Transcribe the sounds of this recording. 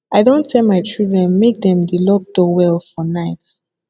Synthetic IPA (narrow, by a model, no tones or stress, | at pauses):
aɪdõntʰɛlˠmaɪt͡ʃʰɹidɹɛ̃nmek̚dɛ̃mdilɔk̚dowɛlfɔnaɪt